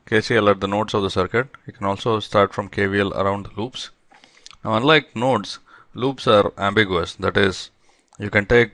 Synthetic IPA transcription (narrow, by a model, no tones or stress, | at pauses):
keːsiələʈ̚d̪ənoːʈsɔʋd̪əsəɾkəʈ̚jikɛ̃nɔːlsoːsʈaːɾʈfɾɔ̃mkʰeːʋiələ̰ɾãʊ̃ɳɖd̪əluːps | naʊɐ̃nlaɪk̚noːʈs | luːpsaːɾæ̃mbɪɡjuəsd̪æʈɪz | juːkɛ̃nʈeːk̚